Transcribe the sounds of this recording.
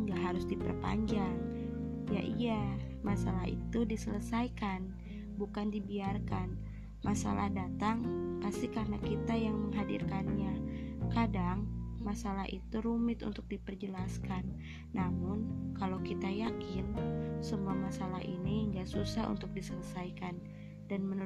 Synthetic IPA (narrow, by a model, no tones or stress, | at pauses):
ŋɡaʔɦaɾʊsdipə̰rpa̰ɲd͡ʒaŋ | ja̰ʔijamasalaɦḭt̪udisələsajkan | bukandibiarkan | masa̰lʔa̰hdat̪aŋpasikarnakit̪ajaŋməŋɦadḭrkanɲakadaŋmasalaɦʔḭt̪uɾumɪt̪ṵnt̪ʊk̚dipərd͡ʒəlaskanː | amʊnkalakit̪ajakɪnsəmuamasalaɦʔḭniŋɡasusaɦṵnt̪ʊk̚disələsajkan | danmən